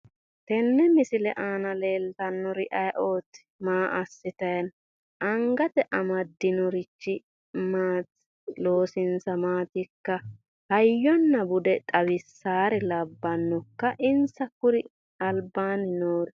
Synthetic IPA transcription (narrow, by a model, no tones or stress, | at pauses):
t̪ɛnːɛmɪsɪlɛʔaːnɐle̞ːlt̪ɐnːɔɾɪʔɐjʔoːt̪ɪ̥ | maːʔɐsːɪt̪ɐjɐn | ʔɐŋɡɐt̪ɛʔɐmɐd̪ːɪnɔɾɪt͡ʃːɪ | maːt̪ɪ | lo̞ːsɪnsɐmaːt̪ɪkːɐ | hɐjːɔnːɐbʊd̪ɛt̪ʼɐβɪsːaːɾɛlɐbːɐnːɔkːɐʔɪnsɐkʊɾɪ | ɐlbaːnɪnoːɾ